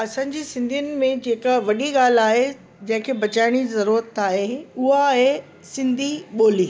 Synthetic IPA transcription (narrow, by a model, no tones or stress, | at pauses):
ɐsãːɲ̆d͡ʑiːsɪ̃nd̪ʱijʊnɪ̆mẽd͡ʑeːkʋɐɗiɠaːl̤aːɦe | d͡ʑɐ̃ɦɪ̃kʰeːbɐt͡ɕaːɪɽ̃izɐɾuːɾət̪aːɦeʊɦaɦe | sɪ̃nd̪ʱiɓoːliː